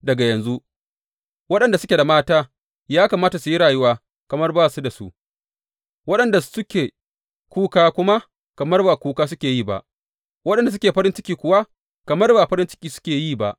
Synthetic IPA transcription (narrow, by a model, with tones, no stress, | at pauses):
dɐ˨ɡa˨jɐ˨nzu˦ʔ | wɐ˦ɗɐ˨nda˨sʊ˦kʲe˨da˨maː˦taː˦ | jaː˦kaː˨maː˦ta˨su˨ji˦ɽaː˨jʊ˦waː˦ | kɐ˨mɐ˦rbaː˦˨su˦da˨su˦ʔ | wɐ˦ɗɐ˨nda˨sʊ˦kʲeː˨ | kʷuː˦kaː˦kʷʊ˦ma˦ | kɐ˨mɐ˦rbaː˨kʷuː˦kaː˦s̬ʊ˦kʲeː˨jiː˦˨ba̰˨ʔ | wɐ˦ɗɐ˨nda˨s̬ʊ˦kʲeː˨ɸɐ˦ɾɪ˦nt͡ʃɪ˦kʲiː˨kʷʊ˨wa˦ | kɐ˨mɐ˦rbaː˨ɸɐ˦ɾɪ˦nt͡ʃɪ̥˦kʲiː˨sʊ̥˦kʲeː˨jiː˦˨ba˨ʔ